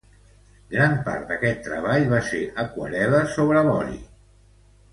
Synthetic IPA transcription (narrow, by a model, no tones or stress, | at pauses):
ɡɾampa̰ɾt̪d̪əkɛt̪ːɾəβ̞aʎβaseʔəkwə̰ɾɛləsoβɾəβɔɾḭ